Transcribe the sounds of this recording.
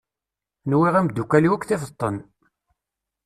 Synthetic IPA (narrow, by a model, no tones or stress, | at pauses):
nwiʁæmd̪ːukːæliwækʷːθɪfət̪ˤːən